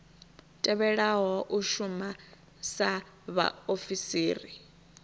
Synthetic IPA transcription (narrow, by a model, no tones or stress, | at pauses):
tʼɛβɛɺaɦɔʔuʃuma | sa | βa̰ofisiːri